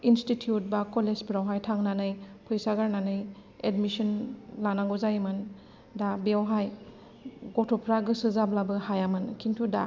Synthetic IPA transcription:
institʰiut̚bakɔlespɾawɦajtʰaŋnanɯjpʰɯjsaɡaɾnanɯj | edmisɔnlanaŋɡuzajmɯn | dabeawɦaj | ɡɔtʰɔpʰɾaɡɯsɯzablabɯhajamɯnkʰintʰuda

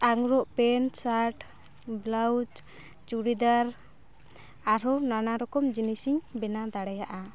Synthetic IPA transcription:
aŋɾɔʔpɛnsaɾʈ | blawd͡ʒ | t͡ʃuɽid̪aɾ | aɾɔnanaɾɔkɔmd͡ʒinisiɲbɛnad̪aɽɛjaʔa

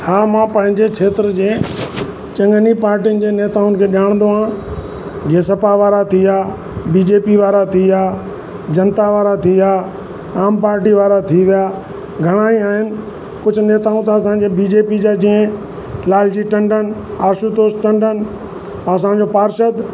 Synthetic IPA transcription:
haːmãːpɐ̃ɦɪ̃ɲd͡ʑekʰeːt̪ɾəd͡ʑeː | t͡ɕɐ̃ŋɡənipaːɾʈijʊnɪ̆d͡ʑeːneːt̪aːʊnɪkʰeːɗaːɽ̃nd̪oɦãː | d͡ʑiẽsɐpaʋaːɾat̪ʰiaː | biːd͡ʑeːpiʋaːɾat̪ʰiaː | d͡ʑɐnt̪aʋaːɾat̪ʰiaː | aːmpaːɾʈiʋaːɾat̪ʰiʋijaː | ɡʱɐɽ̃aːiaːɦɪnɪ̆ | kʊd͡ʑʱʊneːt̪aːũt̪ɐːsãd͡ʑeːbiːd͡ʑeːpid͡ʑaːd͡ʑĩɪ̃ | laːld͡ʑiʈɐ̃ɳɖʱənaːʃut̪oːsʈɐ̃ɳɖʱənɪ̆ | ɐsãd͡ʑoːpaːɾʃəd̪

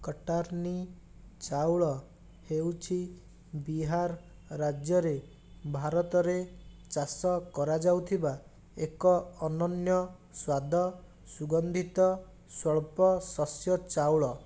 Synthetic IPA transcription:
kɔʈaɾni | t͡ʃawɭɔ | hewt͡ʃʰi | biɦaɾː | ad͡ʒjɔɾe | bʱaɾɔt̪ɔɾe | t͡ʃasɔkɔɾad͡ʒawt̪ʰiba | ekɔɔnɔnjɔ | swad̪ʱɔ | suɡɔnd̪ʱit̪ɔ | sɔɭpɔsɔsjɔt͡ʃawɭɔ

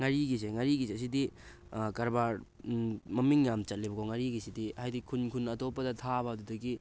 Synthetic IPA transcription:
ŋaɾiɡiseŋaɾiɡiseɐs̬idi | kɐɾbaɾ | mɐmiŋjamt͡ʃɐt̚libɐkoŋaɾiɡisidiɐhajdikʰunkʰunɐtopːɐdɐtʰabɐɐdudɐɡi

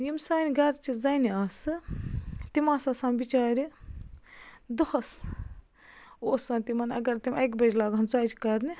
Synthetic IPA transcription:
jimsaːniɡɐɾt͡ʃʰizɐniaːsɨ | t̪imaːsɐsaːmbit͡ʃaːɾi | d̪uxʰɐs | oːsɐːnt̪imɐnɐ̰ɡɐɾt̪imʲɐjkbɐd͡ʒlaːɡɐnzaːt͡ʃʰi̥kɐɾni

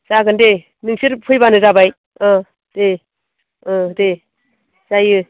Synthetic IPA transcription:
saɡɯnde | nɯŋsiɾpʰɯjbanɯzabaj | ɔ | d̥e | ɔde | z̥ajɯ

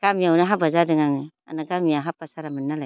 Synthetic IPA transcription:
ɡ̥amiawnaɦabazadɯŋaŋɯ | a̰naɡamiaɦapasaɾamɯnːalaj

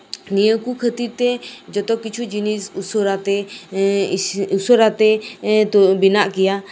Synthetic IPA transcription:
nijəkukʰət̪iɾt̪ɛd͡ʒɔt̪ɔkːit͡ʃʰud͡ʒinisusoɾat̪ɛ | usəɾat̪ɛ | binaʔkija

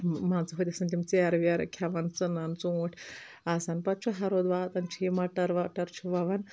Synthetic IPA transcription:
mãnt͡sɐɦot̪ʲɐsɐnt̪imt͡seaɾʋiaɾ̰kʲʰaʋant͡sɨnant͡suʈʰ | asanpɐt̪̚t͡ʃʰuɦaɾod̪ʋaːt̪ant͡ʃʰimaʈɐɾʋaʈɐɾt͡ʃʰuʋaʋan

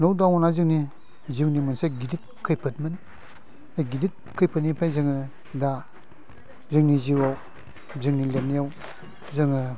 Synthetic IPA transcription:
lɔwdawɔnazɯŋni | ziwnimɯnseɡidit̚kʰɯjpʰɯtmɯn | ajɡidit̚kʰɯjpʰɯtnipʰajzɯŋɯ | da | zɯŋniziwaw | zɯŋnilenijaw | zɯŋɯ

